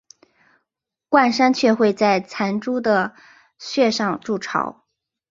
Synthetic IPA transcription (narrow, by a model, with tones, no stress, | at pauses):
kwa˥˩nʂa˥nt͡ɕʰɥɛ˥˧xwe˥˧ɪt͡sa˥˩ɪt͡sʰa˧˥nʈ͡ʂu˥d̪ə˨ | ɕɥɛ˥˧ʂɑ˥˧ŋʈ͡ʂu˥˩ʈ͡ʂʰɑ̰˧˩˥ʊ